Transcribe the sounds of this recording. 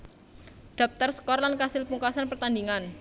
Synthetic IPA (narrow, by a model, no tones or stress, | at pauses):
ɖ̪̥a̤p̚t̪ərsə̥kɔrlankasɪlpuŋkasanpərt̪and̪iŋan